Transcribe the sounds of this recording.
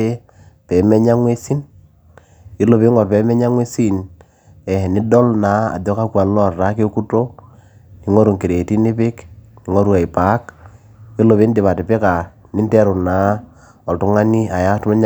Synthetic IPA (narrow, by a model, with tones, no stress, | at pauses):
e˦ | pe˨me˦ɲa˦ŋwe˦si˦n | ji˦lo˨bi˦ŋo˨ɾpe˨˦me˦ɲa˦ŋwe˦si˦n | ɛ˨ni˦do˦lna˨˦a̰˨do˦ka˦kwa˨n˦lo˦˨ɾɾa˦ke˦ku˦to˦ | ni˨ŋo˦ɾu˨ŋki˨ɾe˨ti˦ni˦pɪ˦kni˨ŋo˦ɾu˦a˨i˨pa˨˦k | ji˦lo˨βi˦ndi˨βa˨ti˨pe˦ka˨ | ni˦nte˦ɾu˨na˨˦ | o˨tu˦ŋa˦ni˦a˨ja˦tu˦me˦ɲ